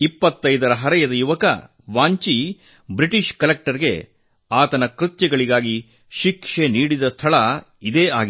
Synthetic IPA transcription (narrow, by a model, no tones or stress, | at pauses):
ipːɐt̪ːɐjd̪ɐɾɐɦɐɾɐjɐd̪ɐjuʋɐkɐ̰ | ʋaːɲt͡ʃi | bɾiʈiʃkɐlek̚ʈɐɾɡe̞̰ | aːt̪ɐnɐkɾut̪jɛɡɐɭiɡaːɡi | ʃikʂeniːɽid̪ɐst̪ʰɐɭɐ | id̪eːa̰ːɡi